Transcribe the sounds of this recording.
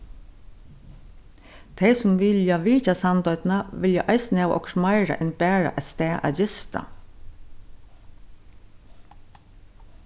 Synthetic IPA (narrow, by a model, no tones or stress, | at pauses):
t̪ʰeɪsʊmʋɪljaʋiːcasɑnd̪ɔʏt̪nɑʋɪljaʔɑɪsnɛːʋʔɔ̰kʃmɑɪɹa̰ʔɪnbæːɹa̰ʔɛst̪ɛːʔɑ̰jɪst̪ɑ̰